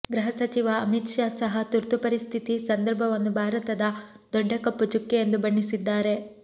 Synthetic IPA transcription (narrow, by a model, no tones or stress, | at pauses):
ɡɾɐɦɐsɐt͡ʃiʋɐːmit̪ʂaːsɐɦɐt̪uɾt̪upɐɾist̪ʰit̪isɐnd̪ɐɾbʱɐʋɐnːubʱaːɾɐt̪ɐd̪ɐ | d̪ɔɖːɐkɐpːut͡ʃukːejend̪ubɐɳːisid̪ːaːɾe̞